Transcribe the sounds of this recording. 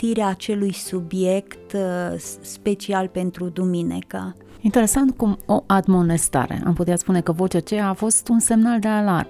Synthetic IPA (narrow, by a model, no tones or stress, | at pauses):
t̪iɾeaːt͡ʃe̞lujsubje̞kt̪ | spe̞t͡ʃialpe̞nt̪ɾud̪uminḭka | int̪e̞ɾe̞sant̪̚kumoʔad̪mo̞ne̞st̪a̰ɾḛʔa̰mput̪eat̪spune̞kəvot͡ʃat͡ʃe̞jaːfo̞st̪unse̞mnald̪e̞alarm